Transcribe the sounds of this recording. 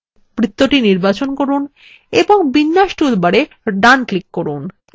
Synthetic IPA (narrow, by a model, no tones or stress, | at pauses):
pɾit̪ːoʈiniɾbat͡ɕonkoɾun | eboŋbinːaʃʈiud̪baɽe | ɖanklikːoɾun